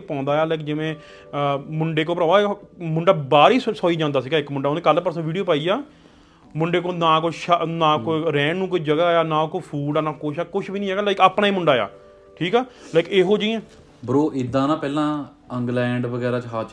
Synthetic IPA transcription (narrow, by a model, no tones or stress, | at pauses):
pãːnd̪aːjaːləɪkd͡ʒɪʋẽː | mʊɳɖeːk̬oːpɾəːaːmʊɳɖaːbaːɾiːsoːiːd͡ʒãːnd̪aːsiːɡaːɪkmʊɳɖaːoːneːkəlpəɾsə̃ʋiːɖijoːpaːiːaː | mʊɳɖeːkoːnaːkoʃanãːkoiɾɛ̃ːnũːkoiːd͡ʒəɡaːjaːnãːkopʰuːɖaːnaːkoʃʰaːkʊt͡ʃʰbiːnĩːɦɛːɡaːlakaːpnaːiːmʊɳɖaːja̰ː | ʈʰiːkɛːləɪkeːɦoːd͡ʒiːẽː | bəɾoːʔɪd̪ːãːnãːpɛːlãː | əŋɡlɛ̃ːɳɖʋəɡɛːɾãːt͡ʃɦaːt͡ʃ